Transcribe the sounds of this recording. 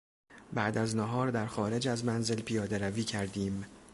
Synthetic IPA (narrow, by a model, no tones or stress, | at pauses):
bæʔd̪æznæɦɒːɾd̪æɾxɒːɾe̞d͡ʒæzmænze̞lpʰijɒːd̪e̞ɾæviːcʰæɾd̪iːm